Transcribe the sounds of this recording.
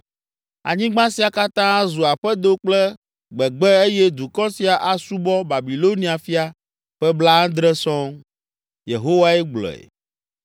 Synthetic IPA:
a̰˨ɲĩ˦ɡ͡bã˦si˨a˨ka˦t̪ã˦a˦zu˨a˨ɸɛ˦d̪o˦k͡plɛ˦ | ɡ͡bɛ˨ɡ͡bɛ˦e˦jɛ˦d̪u˨kɔ˦si˨a˨ʔa˨su˦bɔ˦ba˨bi˨lo˦nĩ˦a˨fi˦a˨ | ɸɛ˦blã˦d̪ɾɛ˦sɔ̃˦ŋ | jḛ˨ɦo˦wa˦ɛ˦ɡ͡blɔ̰˨ɛ̰˨

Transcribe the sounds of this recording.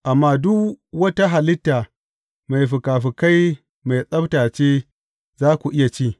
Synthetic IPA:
ʔa˨mːaː˦dʊ˦kwɐ˦ta˦ɦa˨lɪ˦tːaː˨ | ma˨jɸɪ˨kaː˨ɸi˨ka˦j | ma˨jsʼɐ˦btaː˨t͡ʃeː˦ | zaː˦kʷu˨ʔɪ˦ja˨t͡ʃiː˦˨

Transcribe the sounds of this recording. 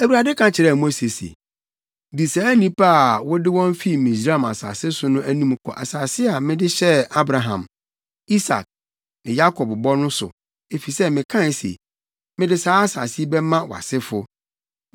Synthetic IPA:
æ˨wu˨ɾa˨dɪ˦kʰã˨t͡ɕʰɪ˨ɾɛ˦˨mo˦se˨sḛ˨ | di˨saː˨˦nĩ˦pʰa˦a˨wɔ˦dɪ˦wɔ̃˦m˦fi˦mĩ˨sɾa˦˨ma˨sa̰ː˨sɪ˦sʊ˨nʊ̃˦ʔæ˦nĩ˦m˦kʰɔ̰˨ʔa̰˨saː˨sɪ˦a˨mɪ̃˦dɪ˦ɕɛ˦a˦bɾa˨ɦã̰˨m | i˦sa̰˨k̚ | nɪ̃˨ja˦kʰɔ˨bbɔ˦nʊ̃˦sʊ̰˨ | e˨fi˨sɛ˦mɪ̃˨kʰã˦˨sḛ˨ | mɪ̃˦dɪ˦saː˦a˦sa˨si˦bɛ˦mã˦wa̰˨sɪ˦fʊ˦

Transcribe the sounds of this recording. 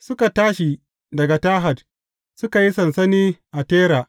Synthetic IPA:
sʊ˦ka˨taː˦ʃi˨ | dɐ˨ɡa˨taː˦ɦa˨d̚ | sʊ˦ka˨ji˦sɐ˨nsɐ˦niː˦ʔa˨teː˦ɾaː˨

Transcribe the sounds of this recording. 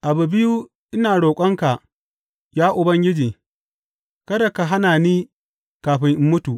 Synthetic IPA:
ʔa˨bu˨bɪ˦ju˦ | ʔɪ˦naː˨ɽoː˨kʷʼɐ˦ŋka˨ʔ | jaː˦ʔʊ˨bɐ˦ŋɡʲɪ˦d͡ʒiː˨ | kɐ˦da˨ka˨ɦa˦naː˨niː˦ | kaː˨ɸɪ˦ŋʔɪ˦mːʊ˦tu˨ʔ

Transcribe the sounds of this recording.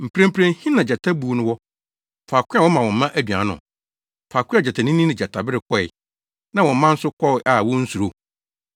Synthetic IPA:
m̩˨pʰɾẽ˦m˦pʰɾẽ˦hĩ˦nã˨d͡ʑɛ˨tʰa˦bu˨nʊ̃˦wɔ˦ | faː˨kʰʷʊ˦a˦wɔ˦mã˨wɔ̃˨m̩˦mã˦ʔæ˦dɥi˨ã̰˨nʊ̰̃˨ | faː˨kʰʷʊ˦a˦˨a˨tʰa˨nɪ̃˦nĩ˦nɪ̃˨d͡ʑa˨tʰa˨bɪ˦ɾɪ˨kʰɔ˦ɪ̰˨ | nã˦wɔ̃˨m˦mã˦n̩˦sʊ˦kʰɔ˦˨˦ʔa˨wɔ̃˦n̩˦su˨ɾo˦

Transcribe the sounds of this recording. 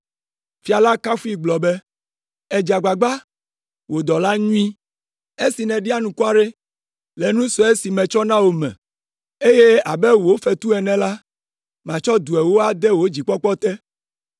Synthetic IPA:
fi˦˨a˨la˦ka˦fu˦i˦ɡ͡blɔ˨bɛ˦ | ɛ˨d͡ʒa˨ɡ͡ba˨ɡ͡ba˦ | wo˨d̪ɔ˨la˦ɲũ˦ĩ˦ | e˦si˨nɛ̃˨ɖi˦a˦nũ˨kɔ˦a˨ɖe˦ | le˨nũ˦sɔ˦e˦si˨mɛ̃˨t͡ʃɔ˦nã˦wo˨mɛ̰̃˨ | e˦je˦a˨be˦wo˦fe˨t̪u˦ɛ˨nɛ̃˨la˦ | mã˨t͡ʃɔ˦d̪u˨ɛ˨wo˦a˨d̪ɛ˦wo˦d͡ʑi˨k͡pɔ˦k͡pɔ˦t̪ɛ˦

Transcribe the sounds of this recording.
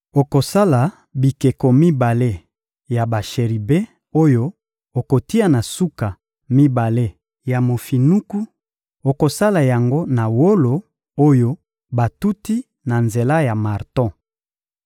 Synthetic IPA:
o˨ko˨sa˦la˨ | bi˨ke˨ko˨mi˦ba˨le˦ | ja˨ba˨ʃe˨ʁi˨be˦ | o˦jo˦ | o˨ko˨ti˦a˨na˨su˦ka˨ | mi˦ba˨le˦ | ja˨mo˨fi˨nu˦ku˦ | o˨ko˨sa˦la˨ja˨ŋɡo˦na˨wo˦lo˨ | o˦jo˦ | ba˨tu˦ti˦ | na˨nze˨la˦ja˨ma˨ʁtɔ̃˦˨

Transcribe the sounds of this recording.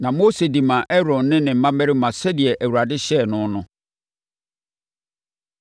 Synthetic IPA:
nã˨mo˦se˨di˨mã˨ʔɛ˦ɾɔ̃˨nːɪ̃˦nɪ̃˨m̩˨˦mã˦mæ˦ɾi˦mã˨sɛ˦dɪ˨ɛ˨ʔæ˨wu˨a˨dɪ˦ɕɛ˦˨nʊ̃˦nʊ̃˦

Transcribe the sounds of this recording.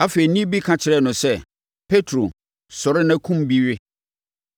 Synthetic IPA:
a˦fe˨ɾi˨nĩ˦bi˦kʰã˨t͡ɕʰɪ˨ɾɛ˦˨nʊ̃˨sɛ˦ | pʰe˦tʰɾo˨ | sɔ˨ɾɪ˦nã˦kʰũ˦mbi˦ɥɪ˦

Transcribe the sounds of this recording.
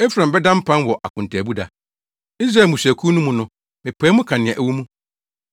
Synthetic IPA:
ɛ˦fɾã˨m˨bɛ˦dã˦m̩˦pʰã˦nwɔ˨ʔa̰˨kʰʊ̃˨n̩˨tʰaː˨bu˦da̰˨ | i˦s̬ɾa˨mũ˨ɕæ˨kʰu˦nũ˦mũ˦nʊ̃˦ | mɪ̃˨pʰɛː˦mũʊ̃˦kʰã˨nɪ̃˨ɛ̃˨ʔæ˨wu˦mũ˦

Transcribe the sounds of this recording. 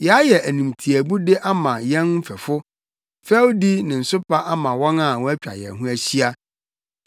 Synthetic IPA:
jɛ˨a˦jɛ˨æ˨nĩ˨mtʰi˨æ˨bu˦dɪ˦ʔa˦mã˨jɛ̃˦nm̩˦fɛ˨fʊ˦ | fɛ˦wdi˦nɪ̃˨n̩˨sʊ˦pʰa˦ʔa˦mã˨wɔ̃˦nã˦˨wɔ˦æ˦t͡ɕᶣa̰˨jɛ̰˨ɦũ˦æ˦ɕi˦a˦

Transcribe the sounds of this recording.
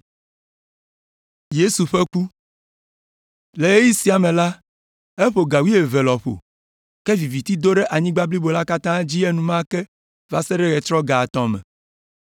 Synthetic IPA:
je˦su˨ɸe˦ku˦ | le˨e˦ji˦si˦a˨mẽ˨la˦ | e˦ɸo˨ɡa˨wi˦e˨ve˨lɔ˨ɸo̰˨ | kɛ˦vi˨vi˨t̪i˦d̪o˦ɖɛ˦ʔa˨ɲĩ˦ɡ͡ba˦bli˦bo˨la˦ka˦t̪ã˦d͡ʑi˦e˦nũ˨mã˦kɛ˦ | va˦sɛ˦ɖɛ˦ɣɛ˨t̪ɾɔ˦ɡa˨t̪ɔ̃˦mɛ̰̃˨

